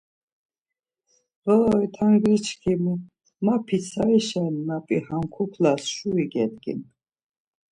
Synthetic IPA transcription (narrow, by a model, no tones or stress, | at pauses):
ʁəɔit̪ʰaŋɡɾit͡ʃʰkʰimu | mapʰisʰaiʃalimapʼihamkʰupʰlasʃuiɡɛd̪ɡḭn